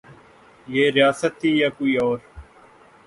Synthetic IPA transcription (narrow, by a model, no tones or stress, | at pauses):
jeːɾɪjaːsət̪ːiːjaːkoːiːɔːɾ